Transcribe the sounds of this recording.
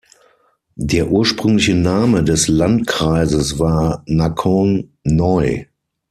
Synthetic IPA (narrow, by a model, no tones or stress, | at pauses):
deːɐʔuːɐʃpʁ̥ʏŋlɪçənaːmədɛslantkʁ̥aɪzəsvaːɐnakʰɔnnɔɪ